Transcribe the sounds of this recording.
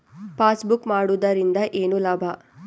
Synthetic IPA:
paːsbukmaːɽud̪ɐɾind̪ɐʔeːnulaːbʱɐ

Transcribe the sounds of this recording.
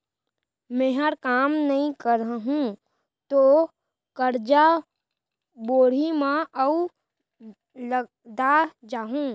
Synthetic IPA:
mẽːɦəɾkaːmnɐɦĩkəɾəɦũ | t̪o | kəɾd͡ʒa | boːɽ̤imãəʊ | lə | d̪ad͡ʒaːɦũː

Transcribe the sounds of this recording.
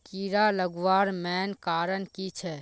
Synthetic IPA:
kiːɾaləɡʋaːɾmɛːnkaːɾənkit͡ʃʰɛ

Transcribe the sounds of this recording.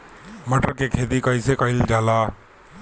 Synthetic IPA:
məʈəɾkekʰeːt̪ikəisekəɪld͡ʒaːlaː

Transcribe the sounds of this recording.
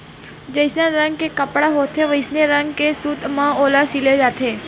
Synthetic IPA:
d͡ʒəjsnaɾə̃ŋɡ̚kekəpɽaɦot̪ʰeʋəjsneɾəŋɡkesut̪mãolasiled͡ʒat̪ʰe

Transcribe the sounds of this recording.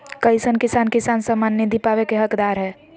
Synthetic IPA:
kəɪsənkisaːnkisansəmːanːid̪ʱipaʋekeɦəkd̪aːɾɦɛː

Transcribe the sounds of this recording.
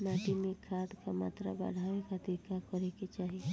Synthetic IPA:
maːʈimẽkʰaːʈkama̰ːt̪ɾa̰ba̰ɽ̤ʱaːʋekad̪ɪkakɔɾeket͡ʃaːɦi

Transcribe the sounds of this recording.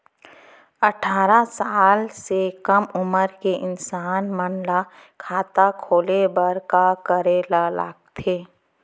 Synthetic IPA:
ɐʈʰaːɾasaːlsekəmʊməɾkeʔɪnsaːnmənla | kʰaːt̪akʰoːlebəɾkakəɾelala̰ːɡ̚t̪ʰeː

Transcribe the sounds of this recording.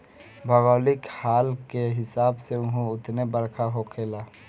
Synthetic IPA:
bʱɐɡɔːlɪkhaːlkeɦɪsaːbseʊ̃ɦũʊt̪nebɐɾkʰaɦokʰeːlaː

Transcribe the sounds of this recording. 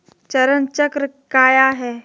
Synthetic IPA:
t͡ʃɐɾənt͡ʃɐkɾə | kaːjaɦɛː

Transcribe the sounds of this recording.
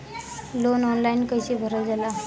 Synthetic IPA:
lonɔnlainkəjt͡ɕibʱəɾəd͡zala

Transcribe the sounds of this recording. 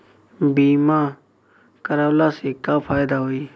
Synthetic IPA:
biːmãː | kəɾaːlaːseːkaːpʰaːɪd̪aːɦoːiː

